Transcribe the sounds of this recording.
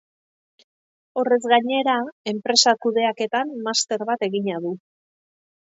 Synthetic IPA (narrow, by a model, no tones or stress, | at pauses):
o̞re̞zɣaɲe̞ɾae̞mpɾe̞sakuðe̞ake̞t̪amːast̪e̞ɾβat̪e̞ɣiɲaðu